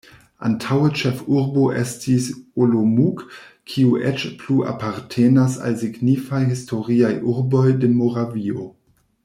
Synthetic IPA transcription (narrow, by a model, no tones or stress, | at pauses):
a̰ntʰawet͡ʃefuɾboʔestisolomukkʰiuʔet͡ʃpluʔa̰paɾtʰenasa̰lsiɡnifajhisto̞ɾiajʔuɾbo̞jdemoɾavio̞